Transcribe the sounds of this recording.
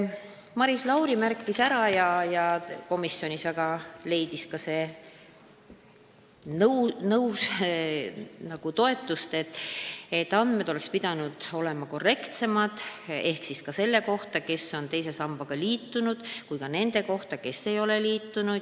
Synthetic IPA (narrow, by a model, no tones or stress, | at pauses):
mɑɾislɑwɾimærkˑːisæɾɑjɑjɑko̞misːjo̞nisvæɡ̥ɑle̞jd̪̥iskɑse̞ | nnɤws | nɑɡ̥ut̪o̞e̞t̪ːˑust̪e̞t̪ːˑe̞t̪ːɑnd̪̥me̞d̪o̞le̞kspid̪̥ɑnud̪̥o̞le̞mɑko̞re̞kt̪se̞mɑd̪̥e̞hksiskɑse̞lːe̞ko̞ht̪ɑke̞sːo̞nt̪e̞jse̞sɑmb̥ɑɡ̥ɑliːt̪ːunud̪̥kujkɑne̞nd̪̥e̞ko̞ht̪ɑke̞sːe̞jo̞le̞liːt̪ːˑunu